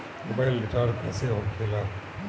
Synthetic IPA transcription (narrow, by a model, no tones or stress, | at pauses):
mo̰baɪlːɪʈaːɖpɛːseɦokʰeːla